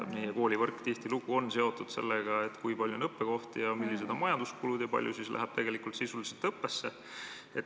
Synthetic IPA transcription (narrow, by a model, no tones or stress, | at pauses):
mijeko̞ːlʲivɤrkːt̪iht̪iluɡ̥uo̞nse̞o̞t̪ːˑud̪̥se̞̰lːeɡ̥ɑet̪ːˑkujpɑlʲjuonɤpːe̞ko̞ht̪ijɑmilːised̪o̞nmɑjɑnd̪̥uskulud̪jɑpɑ̰lʲjusislʔæ̰ɦɑb̥̚t̪e̞ɡe̞likult̪sisuliselt̪ɤpːe̞sːe̞ | et̪